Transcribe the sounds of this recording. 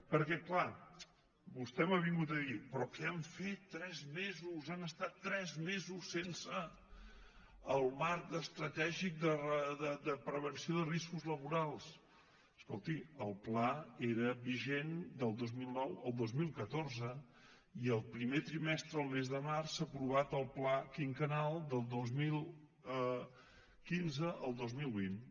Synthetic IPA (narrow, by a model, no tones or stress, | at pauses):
pəɾkɛkla | bust̪ɛmaβ̞iŋɡut̪əðipɾɔkɛaɱfet̪ːɾɛzmezusanəst̪at̪ːɾɛzmezusːensə | əlˠmaɾk̚t̪əst̪ɾət̪ɛʒik̚d̪ərəd̪əd̪əpɾəβənsioðəriskuzləβuɾalˠs | əskɔlˠt̪iəlˠplaeɾəβiʒend̪əlˠd̪ozmilˠnɔwəlˠd̪ozmilˠkət̪oɾzə | iəlˠpɾimet̪ɾimɛst̪ɾəəlˠmezðəmarsapɾuβat̪əlˠplakiŋkənalˠd̪əlˠd̪ozmilˠ | kinzəʔəlˠd̪ozmilˠβin